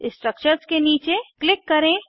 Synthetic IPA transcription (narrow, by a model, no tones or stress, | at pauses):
ɪ̃sʈɾək̚t͡ʃəɾskeniːt͡ʃeklɪkːɐɾẽː